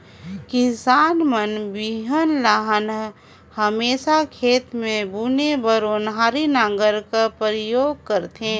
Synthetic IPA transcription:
kɪsaːnmənbiɦənlaɦən | həmeːsakʰeːt̪mẽbuːnebəɾoːnɦaːɾinãːŋɡəɾkapɾjoːɡ̚kəɾt̪ẽ

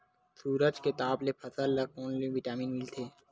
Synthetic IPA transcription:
suːɾəd͡ʒket̪aːblepʰɐsəlːɐkoːnleʋɪʈaːmiːnmɪlt̪ʰeː

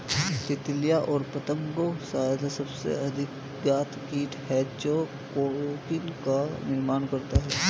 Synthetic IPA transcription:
t̪ɪt̪lijaʔɔːɾpɐt̪əmɡosaːjd̪asɐbsḛɐd̪ʱɪk | ɡaːt̪ʰkiːʈɦɛːt͡ʃo | koːɽokɪnkanɪɾmaːnkɐɾt̪aɦɛː

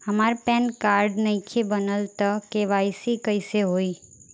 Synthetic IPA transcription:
ɦəmaːɾpɛnkaːɾɖnəĩkʰebənəlt̪əkeʋaːjsikəɪseɦoːiː

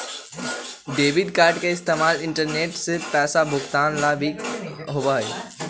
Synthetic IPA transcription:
ɖeːʋɪɖkaːɾɖkʰeɪst̪eːmaːlɪ̃ɳʈəɾneːʈsɪpɛːsabʱʊxt̪aːnlaːbʱiɦʊbaːɦeː

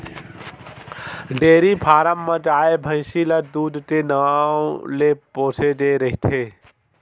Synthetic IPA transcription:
ɖeːɾipʰaːɾəmːɐ̃d͡ʒaːebʱə̃jsilɐd̪uːd̪t̪enɐaːoleːpoːsed̪eːɾɐɦit̪ʰeː

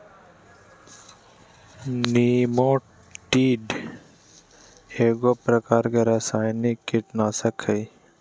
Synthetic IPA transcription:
niːmõː | ʈiːɖ | eːɡoːpɾəkaːɾkeɾasaːjnikːɪʈnaːsəkʰəj

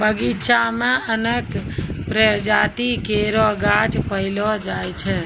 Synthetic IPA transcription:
bəɡiʃamẽənekpɾəd͡ʒat̪ikeɾɔɡat͡ʃpəɪlɔd͡ʒajt͡ʃʰɛ

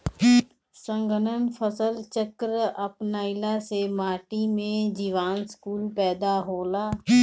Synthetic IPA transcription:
sə̃ŋɡʱənənpʰəsəlt͡ʃəkɾəʔəpnaːɪlasemaːʈimẽd͡ʒiːʋaːnskuːlpɛːd̪aɦoːlaː

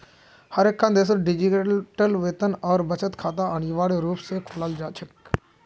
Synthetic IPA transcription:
həɾekʰːãnd̪eːs̬əɖɪd͡ʒiʈəlʋeːt̪ənɔːɾbət͡ʃət̪kʰaːt̪̬aaniʋaːleɾuːpsekʰʊlaːld͡ʒaːt͡ʃʰək

